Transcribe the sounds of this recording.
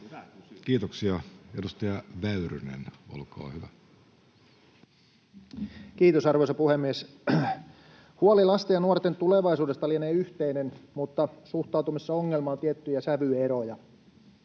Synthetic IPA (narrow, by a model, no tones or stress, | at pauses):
kiːt̪oksiɑedust̪ɑjɑʋæyrynḛno̰lkɑ̰ːhyʋæ | kiːt̪osɑrʋojsɑpuhemːies | huolilɑst̪ejɑnuort̪ent̪uleʋɑisuːdest̪ɑlieneːyht̪einenmut̪ːɑsuht̪ˑɑˑwt̪umisːɑoŋːelmɑnt̪iet̪ːyjæsæʋyeɾojɑ